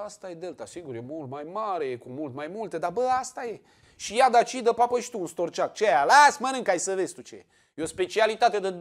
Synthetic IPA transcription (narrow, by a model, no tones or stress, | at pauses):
ast̪aje̞d̪e̞lt̪asiɡuɾjemult̪majmaɾe̞jekumult̪majmult̪e̞d̪abəast̪aje̞ | ʃijad̪at͡ʃid̪əpapəʃi̥t̪uunst̪o̞rt͡ʃak̚t͡ʃeajalasmənɨŋkajsəve̞zʲt̪ut͡ʃe̞̰ | jeo̞spe̞t͡ʃialit̪at̪e̞d̪ə